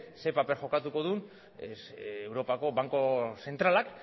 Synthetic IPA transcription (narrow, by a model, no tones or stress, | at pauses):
sepapeɾxo̞kat̪uko̞ðun | ewɾo̞pako̞βaŋko̞se̞nt̪ɾalak